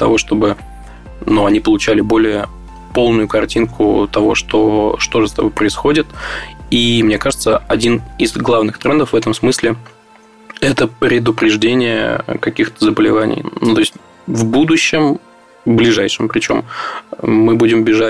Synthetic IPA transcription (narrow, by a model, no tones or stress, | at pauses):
t̪ɐ̰vo̞ʂt̪o̞bɨ | nuɐnʲipəlˠʊt͡ɕælʲɪbo̞lʲɪjə | po̞lˠnʊjʊkɐrtʲinkʰʊ̰t̪ɐvo̞̰ʂt̪oʂt̪o̞ʐɨst̪ɐbo̞jpɾəɪsxo̞dʲɪt̪imnʲe̞kaʐɨt̪səɐdʲinɪzɡlˠavnɨxt̪ɾɛnd̪əfvɛt̪əmsmɨsʲlʲɪ | ɛt̪əpɾʲɪd̪ʊpɾʲɪʐdʲenʲɪjə̰kɐkʲixt̪əzəbəlʲɪvanʲɪ̰jnut̪o̞ɪsʲtʲ | vbud̪ʊɕːɪm | blʲɪʐajʂɨmpɾʲɪt͡ɕo̞̰mː | ɨbudʲɪmbʲɪʐa